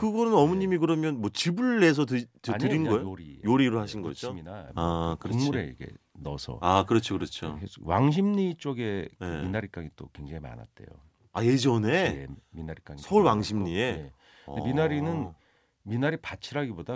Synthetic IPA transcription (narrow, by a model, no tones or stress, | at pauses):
kɯɡʌnɯnʌmuɲimikɯɾʌmjʌnmwʌt͡ɕibɯɭːe̞s̬ʰʌttaɲɯɾinɡɡʌeojoɾijoɾiɾɯɭhaɕʰinɡʌd͡ʑominaakɯoŋmuɾe̞̰ḭɡe̞̰nʌ̰sʰʌ̰akɯɾʌt͡ɕʰokɯɾʌt͡ɕʰokʰes͈owaŋɕ̬ʰimɲit͡ɕ͈oɡe̞kminaɾik͈aŋit͈okweŋd͡ʑeŋima̰na̰t̚t͈e̞̰jo̰ | aje̞d͡ʑʌneḛminaɾik͈aŋisʰʌuɭwaŋɕʰimɲiee | deminaɾinɯn | minaɾipat͡ɕʰiɾaɡiboda